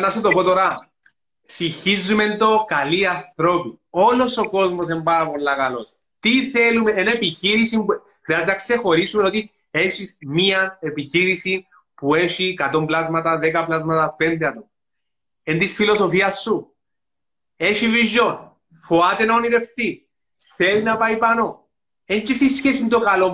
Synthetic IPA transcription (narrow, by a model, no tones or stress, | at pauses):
nɐsut̪o̞po̞t̪o̞ɾɐ | siçizːume̞nd̪o̞kɐliɐnθɾo̞pio̞lo̞so̞ko̞zmo̞s̬embaɾɐpolːɐkɐlo̞̰s | t̪iθelumeenepiçiɾisimbu | xɾiɐzd̪enakse̞xo̞ɾisumeno̞t̪i | e̞ʃismiɐne̞piçiɾisin | pue̞ʃikɐt̪o̞mblazmɐt̪ɐðekɐplazmɐt̪ɐpe̞nd̪eɐt̪om | ent̪isfilo̞so̞fiɐsːu | e̞ʃiviʒːon | foat̪enoniɾe̞ft̪i | θe̞linɐpɐipɐno | ent͡ʃesisçesint̪okɐlo